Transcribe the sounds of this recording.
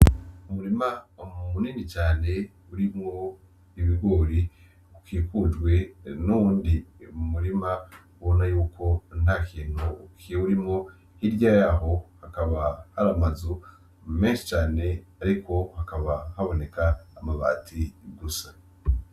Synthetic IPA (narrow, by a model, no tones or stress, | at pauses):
umuɾimamuniːnit͡ʃaːne̞ | uɾimŋo̞ | iβiɡwoːɾi | ukiːkud͡ʒɡwe̞nuwuːndimuɾima | βonajuːkʰo̞n̥haːkʰiːn̥hukiuɾimŋo̞ | hiɾɟajaɦo̞hakaβahaɾamazu | me̞ːnʃi̥t͡ʃaːne̞aɾikʰo̞hakaβahaβo̞ne̞kaːmaβa̰ːtʰiɡusḁ